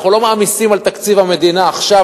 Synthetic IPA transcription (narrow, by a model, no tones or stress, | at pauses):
χulo̞maːmisimalt̪akt͡sivame̞d̪inaːχʃa